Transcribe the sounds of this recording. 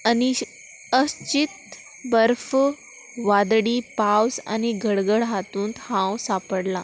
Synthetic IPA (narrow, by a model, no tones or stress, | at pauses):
ani | əst͡ɕit̪̚ | bəɾf | ʋad̪ɽiːpawsa̰niɡʱəɽɡəɽɦat̪uːnt̪hãwsapəɽla